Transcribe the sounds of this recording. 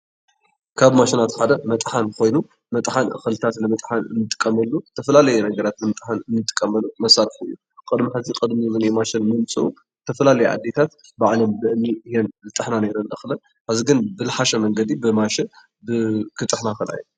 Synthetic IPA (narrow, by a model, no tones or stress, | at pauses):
kʰaβmaʃɪnat̪ħad̪ɐmɐt̪ʼħankʰo̞jnu | mɐt̪ʼħanʔɨ̰xɨlɨt̪ʰat̪lɨmɐt̪ʼħanɨ̰nːɨt̪ʼɨ̥kʼːɐmɐlːut̪ʰɐfɐlalɐjɛnɐɡɐɾat̪lɨmɐt̪ʼħanɨnːɨt̪ʼɨ̥kʼːɐmɐlumɐsaɾfɨ̰jːu | kʼɨd̪miħɨzikʼɨd̪mizɨnemaʃɪnmɨmt͡sʼɨʔu | t̪ʰɐfɐlalɐjɛʔa̰d̪ːe̞t̪ʰat̪ | baʕlɐmbɨʔɨniɨjɛnlɨt̪ʼɨħnane̞ɾɐnʔɨxlɐn | kaziɡɨnbɨlɨħaʃɐmɐŋɡɐd̪ibɨmaʃɪn | bɨkʰɨt̪ʼɨħnaxɨlʔa̰ju